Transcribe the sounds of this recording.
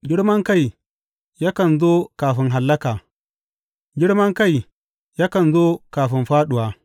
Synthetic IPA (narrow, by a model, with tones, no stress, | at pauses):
ɡʲɪ˦ɽmɐ˦ŋka˦˨j | jaː˦kɐ˨nzoː˦kaː˨ɸɪ˦ŋɦa˨lːɐ˦kaː˨ | ɡʲɪ˦ɽmɐ˦ŋka˦˨j | jaː˦kɐ˨nzoː˦kaː˨ɸɪ˦mɸaː˦ɗʊ˨waː˨